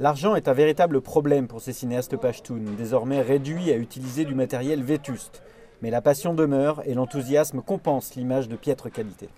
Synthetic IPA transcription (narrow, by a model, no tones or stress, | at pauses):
laʁʒɑ̃ɛt̪ɛ̃veʁit̪abləpχɔblɛmpuʁsesineast̪əpaʃt̪und̪ezɔʁmɛʁed̪ɥiayt̪ilized̪ymat̪ɛʁjɛlvet̪yst̪ | mɛlapasjɔ̃d̪əmœːʁelɑ̃t̪uzjasmkɔ̃pɑ̃slimaʒd̪əpjɛt̪χəkʲalit̪ḛ